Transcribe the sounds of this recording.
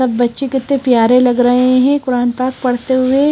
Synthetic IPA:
ɐbːɐtːʃekɪt̪nẽpjaːɾelɐɡɾɐɦeɦɛ̃kʊɾaːnpaːk̚pɐɽt̪eɦʊe

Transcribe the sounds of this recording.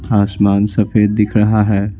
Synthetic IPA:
aːsmaːnsɐfeːd̪̚ːɪkʰɾɐɦaɦɛː

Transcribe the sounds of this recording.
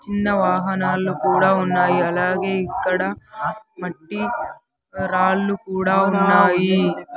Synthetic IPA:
t͡ʃinːɐʋaːɦɐnaːlukuːɽaːunːaːjiɐlaːɡe̞ːikːɐɽɐmɐʈːi | ɾaːlːukuːɽaːunːaːji

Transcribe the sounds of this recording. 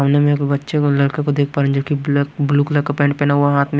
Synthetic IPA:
mnemẽkbɐtːʃelɐɽkẽkod̪eːk̚ʰpaːɾə̃d͡ʒoːkibbluːkləkapẽːɳʈpeːnaɦuaɦaːt̪ʰmẽ

